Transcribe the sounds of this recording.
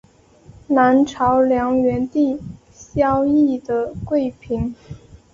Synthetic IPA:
na˧˥nʈ͡ʂʰɑ˧˥ʊljɑ˧˥ŋɥɛ˧˥nt̪i˥˩˧ | ɕjɑ˥ʊi˥˩d̪ə˩kwe˥˩ɪpʰi˧˥ŋ

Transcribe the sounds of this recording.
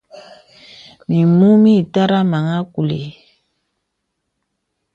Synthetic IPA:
mi˨mu˦mi˦˨ta˦ɾa˦ma˨ŋa˦ku˨lḛ˨

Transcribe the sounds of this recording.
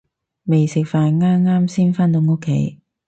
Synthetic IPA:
me˨jsɪ˨k̚faː˨nŋaː˥mŋaː˥msiː˥nfaː˥nt̪̬o˨˧˥ŋo˥kʰːe˨˥j

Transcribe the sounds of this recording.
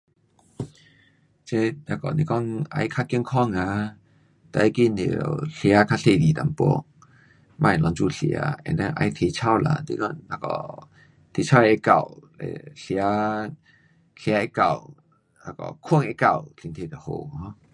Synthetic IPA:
t͡ɕe˦na˧˩kɔ˨ni˧kɔ˦˥˨ŋa̰˧jkʰa˦ki˧˨ŋkʰɔ˥˧˨ŋa˧ | t̪a˧˨i˦ki˧˨ni˨ə˨ɬja˧˦kʰa˦˥ɬe˧˨li˨t̪a̰˨mpɔ̰˧˦ | mã˧˨ɛ˨˩lɔ˧ŋt͡su˧˩ɬj̰a̰˧˦ɛ̰˨nda˧˦ŋʔa̰˧jt̪ʰe˧t͡ɕʰa˧˩˨wla̰˧˨dḭ˧˦kɔ˦˧ŋna˧kɔ̰˨˩ | t̪ʰi˧t͡ɕʰa˧˦˨e˧ka˧˨˩wlḛ˨ɬja˧˦ | ɬja˧˦e˦ka˧˩˨w | a˧˩kɔ̰˨˩kʰu˧˨ŋe˧ka˧˨wɬʰi˧˨ŋt̪ʰe˧˩t̪ə˨ho˨˩hɔ˧˦

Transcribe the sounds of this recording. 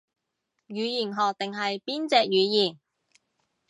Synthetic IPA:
jyː˨˧jiː˨˩nɦɔː˨k̚t̪ɪ˨ŋɦɐ˨jpiː˥nt͡sɛː˧k̚jyː˨˧jiː˨˩n

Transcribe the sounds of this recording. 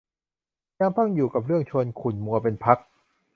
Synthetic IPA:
ja˧mpʰa˥˩ŋjuː˨˩ka˨˩p̚ɾɯ˥˩əŋt͡ɕʰu˧ənkʰu˨˩nmu˧ɐpe˧npʰa˦˥k̚

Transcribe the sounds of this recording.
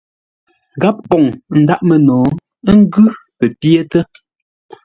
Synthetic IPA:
ɡa˦p̚kɔ˨ŋn̩˨˦da˦ʔmə˨nɔː˨˦ | ŋ̩˦ɡʉ˦pə˨pje˦tə˦

